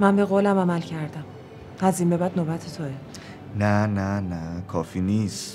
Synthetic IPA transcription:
mænbe̞ɣoːlæmæmælcʰæɾd̪æm | hæzinbe̞bæd̪noːbæt̪ʰet̪ʰoe | nænænækʰɒːfiniːst̪

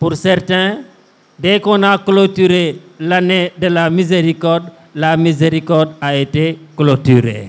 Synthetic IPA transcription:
puɾsɛrtɛ̃ | dɛkɔ̃naklotyɾelanedəlamizeɾikɔrd | lamizeɾikɔrdaeteklotyɾḛ

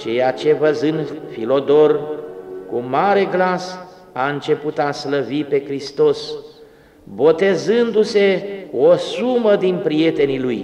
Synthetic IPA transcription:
t͡ʃe̞jat͡ʃe̞vəzɨnfilo̞d̪o̞rkumaɾe̞ɡlas | aɨnt͡ʃe̞put̪asləvipe̞kɾist̪o̞s | bo̞t̪e̞zɨnd̪use̞osuməd̪inpɾie̞t̪e̞niluj

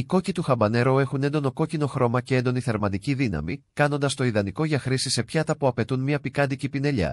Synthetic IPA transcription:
iko̞cit̪uxɐmbɐne̞ɾoe̞xune̞nd̪o̞no̞ko̞cino̞xɾo̞mɐcee̞nd̪oniθe̞ɾmɐd̪iciðinɐ̰mikɐno̞nd̪ɐst̪o̞iðɐniko̞ʝɐxɾisise̞pçɐt̪ɐpuɐpe̞t̪unmiɐpikɐd̪icipine̞ʎɐ̰

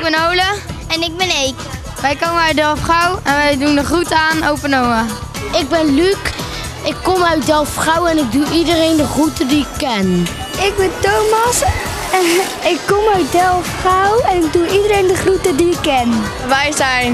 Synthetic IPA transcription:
ɪɡ̚bɛnowləɛnɪɡ̚bɛnejk | ʋɛjkowməœɥt̚dɛlˠfχawɛnʋɛjdundəχrutəaːnowpənoməɪɡ̚bɛnlyk | ɪkːomœɥtdɛlˠfrawɛnɪk̚duʔidəɾejndəχrutədiɪkːɛn | ɪɡ̚bɛntowmɑs | ɪkːomœɥt̚dɛlˠfrawɛnɪɡ̚duidəɾejndəχrutədiɪkːɛn | ʋɛjzɛjn

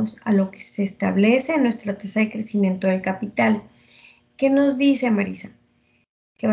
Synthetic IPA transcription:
osa̰lo̞ke̞̥seːst̪aβle̞se̞nwe̞st̪ɾat̪asaðe̞kɾe̞simje̞nt̪o̞ðe̞lkapit̪al | ke̞no̞zd̪ise̞maɾisa | ke̞βa

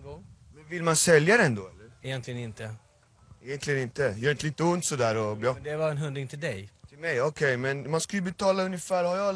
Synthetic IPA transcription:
mɛnvɪlmansɛljad̪ɛnd̪oːɛlːəɾɛjɛnt̪lɪɡənɪnt̪ə | ɛjɛnt̪ʰlɪɡənɪnt̪əjœːɾɪnt̪əliːt̪əʊnt̪sɔd̪æːɾɔbɑd̪ɛvaɾɛnɦɵnd̪ɾɪŋt̪ʰɪld̪ɛjt̪ʰɪlmɛjɔkʰɛjmɛnmanskajɵbɛt̪ʰɑːlaɵnjəfæːɾhaɾjɑ

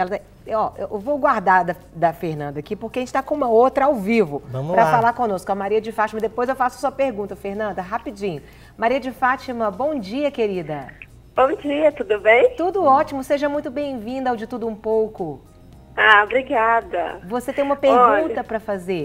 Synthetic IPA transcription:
ɛlɐt̪ | ɔʔḛwʔewvowɡwaɾd̪aɾd̪ɐ | d̪ɐfeɾnɐ̃nd̪ɐakipoɾkeɐʒẽt͡ʃɪt̪akõũmɐowt̪ɾɐawvivʊpɾɐfalaɾkõnoskʊ̃ɐmaɾiɐd͡ʒɪfat͡ʃimɐd̪epojzewfasʊɐ̥suɐpeɾɡũnt̪ɐfehnɐ̃nd̪ɐɦapid͡ʒĩɲʊ | maɾiɐd͡ʒɪfat͡ʃimɐbõw̃d͡ʒiɐkeɾid̪ɐ | b̥õw̃d͡ʒiɐt̪ud̪ʊbẽj̃t̪ud̪ʊɔt͡ʃimʊseʒɐmũj̃t̪ʊbẽj̃vĩnd̪awd͡ʒɪt̪ud̪ʊũpowkʊ | aobɾiɡad̪ɐ̰voset̪ẽj̃ũmɐpeɾɡũt̪ɐpɾɐfazeɾ

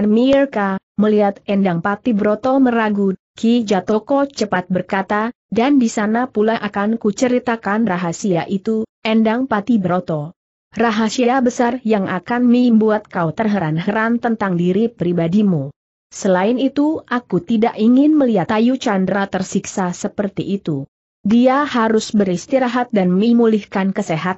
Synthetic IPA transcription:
nmirka | məliɦat̪ɛndaŋpat̪ibəɾot̪ɔməɾaɡu | kid͡ʒat̪ɔkɔt͡ʃəpat̪̚bərkat̪a | dandisanapulaʔakankut͡ʃəɾit̪akanraɦasiaʔit̪uʔɛndaŋpat̪ibəɾot̪ɔ | raɦasiaabəsarjaŋakanmimbuat̪̚kaut̪ərɦəɾanɦəɾant̪ənt̪aŋdiɾipɾibadimu | səlaɪnit̪uʔakut̪idaʔiŋɪnməliɦat̪ajut͡ʃandɾat̪ərsiksasəpərt̪iʔːt̪u | diahaɾʊsbəɾist̪iɾaɦat̪̚danmimulihkankəseɦat̪̚

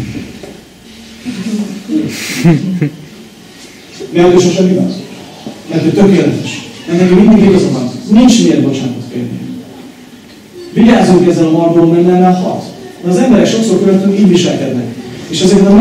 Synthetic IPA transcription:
mɛld̪øʃoʃɛnivɒ̰n | mɛrt̪ʰoc̚ʲt̪økeːlɛt̪ɛʃɛnːɛɡɛmĩnd̪iɡeɡɒzomɒnint͡ʃnelbo̞t͡ʃaːnt̪ot̪kḛːrnḭ | viɟaːzuŋkɛzːɛlɒmɒrb̪ololmɛnːɛlaɒ̰t̪d̪̥ɛɒzɛmbɛɾɛkʃo̞ksoɾkøɾønt̪øŋiːɟviʃɛlkɛd̪nɛkeːʃɛzeːɾt̪ɒm

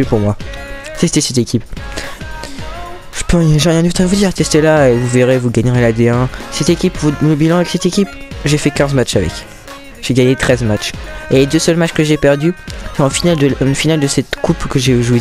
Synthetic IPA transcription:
ypuʁmwa | set̪ɛsɛt̪ekʲip | ʒ̥əpøjɛ̃ʒɛʁjɛ̃d̪vit̪avud̪iʁt̪ɛst̪elaevuveʁevuɡaɲəʁelad̪eɛ̃sɛt̪ekʲipvuləbilɑ̃avɛksɛt̪ekʲipʒefɛkʲɛ̃zmat͡ʃavɛ̰k | ʒ̥eɡaɲet̪χɛzmat͡ʃeled̪øsœlmat͡ʃkəʒepɛʁd̪yɑ̃finald̪əyfinald̪əsɛt̪kʰupkəʒeʒwe

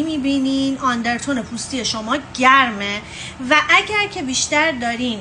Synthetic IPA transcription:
miːbiːniːnɒnd̪e̞ɾt̪ʰone̞pʰust̪ije̞ʃomɒːɟæɾme | væʔæɟæɾcʰe̞biːʃt̪æɾd̪ɒːɾin

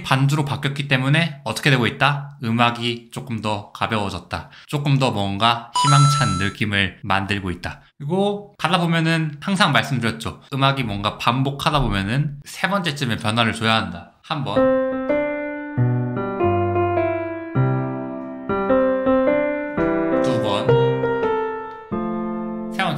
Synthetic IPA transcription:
pand͡ʑuɾopak͈jʌt̚k͈it͈e̞mune̞ʌt͈ʌ̥kʰedwe̞ɡoit̚t͈aɯmaɡit͡ɕ͈ok͈ɯmdʌkabjʌwʌd͡ʑʌt̚t͈a̰ | t͡ɕ͈ok͈ɯmdʌmwʌnɡaçimaŋt͡ɕʰanːɯk͈imɯɭmandɯɭɡoit̚t͈akɯɾiɡokadabomjʌnɯnhaŋsʰaŋmaɭs͈ɯmdɯɾjʌt̚t͡ɕ͈oɯmaɡimwʌnɡapambokʰadabomjʌnɯnsʰe̞bʌnt͡ɕ͈e̞t͡ɕ͈ɯmepjʌnɦwaɾɯɭt͡ɕojaɦanda | hambʌn | tubʌn | sʰe̞bʌn

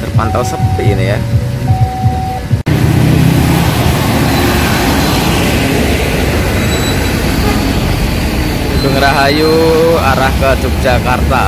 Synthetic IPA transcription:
d̥̪ərpant̪awsəpiʔinija | uɡəŋɾaɦajuaɾahkəad̥d͡ʒ̥ʊk̚d̥ʒ̥akart̪a

